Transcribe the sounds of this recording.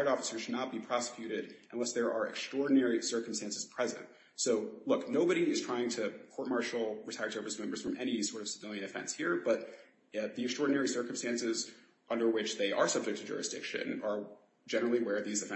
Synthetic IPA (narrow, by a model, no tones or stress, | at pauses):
əɾɔfə̥sə̥˞ʃɨdⁿnət̚b̥ipʰɹ̥ɑsə̥kʰjʉɾɪɾɨ̃nlɛsðə˞ʔə˞ɨ̰kstɹ̥ɔɹdⁿn̩ɛɹisɜ˞km̩stæ̃nsɨz̥pʰɹ̥ɛzɨ̰̃nt | soʊlʊknoʊbɨɾiɨz̥tʰɹ̥aɪɪ̃ŋtʰɨkʰɔɹt̚mɑɹʃl̩ˠɹɨtʰaɪə̥˞sə˞vəsmɛ̃mbə˞z̥fɹʌ̃mɛñisɔɹɾʌv̥səvɪlˠjɨ̃nɨfɛ̰̃nshiɹb̥ʌt̪̚ | ðiɨkstɹ̥ɔɹdⁿnɛɹisɜ˞kmstæ̃nsɪz | ʔʌ̃ndə˞wɪt͡ʃðeɪʔə˞sʌb̚d͡ʒɨk̚tʰɨd͡ʒʊ̰ɹɨsd̥ɪ̰kʃɨ̰̃nə˞ | d͡ʒɛnə˞l̩ˠiwə˞ðizɨfɛ̃